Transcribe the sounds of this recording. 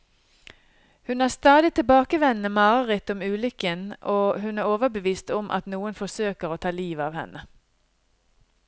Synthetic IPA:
hʉnæːst̪ɑːd̪ɪt̪ʰɪlbɑːkəʋɛnːəmɑːəʁət̪ɔmʉːlʏkənʔoːhʉnæːʁoːʋəbəʋiːst̪ɔmʔɑ̰t̪nuːənfɔsøːkəʁoːt̪ʰɑːliːʋɑːʋhɛ̰nʔə

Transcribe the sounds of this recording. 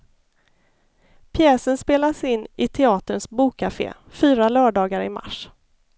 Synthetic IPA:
pʰjɛːsənspeːlasɪnːʔɪt̪ʰɛɑːt̪əɳsbuːkʰːafḛː | fyːɾalœːɖɑːɡaɾɪ̰ma̰ʂ

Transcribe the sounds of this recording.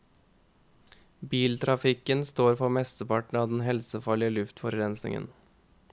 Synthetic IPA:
biːlt̪ʰɾɑfɪkənst̪oːɾfɔmɛst̪əpɑʈɳ̩ɑːd̪nɦɛlsəfɑɭɪəlʉft̪fɔɾɾɛnsnɪ̰ŋə̰n

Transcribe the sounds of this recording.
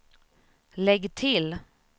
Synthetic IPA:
lɛɡt̪ʰɪl

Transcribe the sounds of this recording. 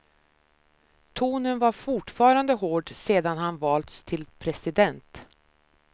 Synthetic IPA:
t̪ʰuːnənvaɾfʊʈfɑːɾand̪əɦoːɖseːd̪anɦanvɑːlt̪st̪ʰɪlpʰɾɛsɪd̪ɛnt̪

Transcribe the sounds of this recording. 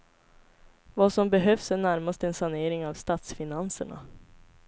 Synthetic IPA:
vasɔmbɛɦœfsæɳæɾmast̪ɛnsaneːɾɪŋavst̪aːt̪sfɪnansəɳa̰

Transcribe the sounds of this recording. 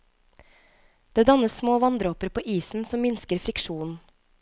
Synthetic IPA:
d̪̥eːd̪ɑnəssmoːʋɑnd̪ɾoːpəɾpʰoːʔiːsn̩sɔmmɪnskəɾfɾɪkʃuːn̩

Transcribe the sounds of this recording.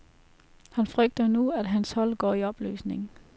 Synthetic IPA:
hænfʁœɡ̥̚d̥ɐnuæd̥ɦænshɒ̽l̰ɡ̥ɒ̰ːiɒ̽b̥ly̰ːsne̝ŋ

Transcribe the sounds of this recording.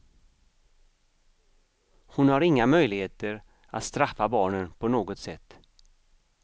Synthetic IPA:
hʊnhaɾɪŋːamœjlɪɡheːt̪əɾ | a̰t̪st̪ɾafːabɑːɳənpʰɔnoːɡɔt̪sɛ̰t̪ː

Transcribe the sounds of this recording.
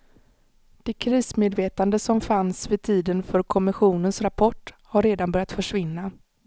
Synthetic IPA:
d̪̥ɛkʰɾiːsmeːd̪veːt̪and̪əsɔmfansvɪt̪ʰiːd̪ənfœɾkʰɔmɪɧuːnənsɾapʰɔʈː | haɾːeːd̪anbœɾjat̪fœʂvɪnːa

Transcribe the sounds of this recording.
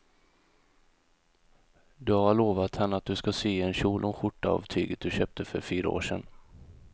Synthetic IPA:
d̪ɵhaɭoːvat̪hanːəat̪̚d̪ɵskaseːɛnɕuːlʔʊnɧʊʈːaa̰vt̪ʰy̰ːɡət̪̚d̪ɵɕøːp̚t̪ʰəfœɾfyːɾa̰o̰ːʂɛn

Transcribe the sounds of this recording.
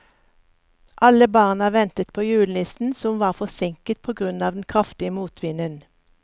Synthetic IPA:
ʔɑləbɑːʁnɑʋɛnt̪ət̪pʰoːjʉːln̩ɪst̪n̩sɔmʋɑːʁfɔsɪŋkət̪̚pʰoːɡʁʉnɑːʋd̪n̩kʰʁɑft̪ɪəmuːt̪ʰʋɪnən

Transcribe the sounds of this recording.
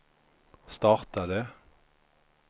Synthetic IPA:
st̪ɑːʁt̪ɑd̪eː

